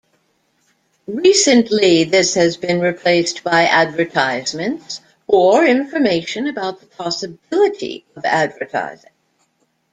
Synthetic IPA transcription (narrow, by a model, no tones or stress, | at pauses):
ɹisɨ̃nliðɪshɨzbɨ̃nɹɨpʰl̥eɪsb̥aɪʔædvə˞tʰaɪzmɨ̃nts | ə˞ɪ̃ɱfə˞meɪʃɨ̃nɨbaʊt̪̚ðəpʰɑsɨbɪlˠəɾḭʌvæ̰dvə˞tʰa̰ɪzɪ̃ŋ